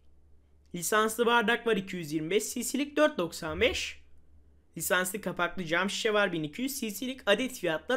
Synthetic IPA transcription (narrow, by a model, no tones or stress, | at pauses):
lʲisanslˠɯbaɾd̪aklˠaɾicʰijyzjiɾmibɛʃsisilʲic̚d̪øɾt̪̚d̪o̞ksanbɛʃ | lʲisanslˠɯkʰapaklˠɯd͡ʒamʃi̥ʃɛvaɾbinicʰijyzsisilʲicad̪ɛt̪fijat̪lˠa